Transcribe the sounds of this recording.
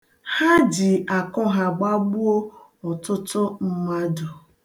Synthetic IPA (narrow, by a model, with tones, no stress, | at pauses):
ha˦d͡ʒi˨a˨kɔ˦ɦa˨ɡ͡ba˦ɡ͡bu˦o˦ɔ˨tʊ˦tʊ˦m̩˦ma˦dʊ˨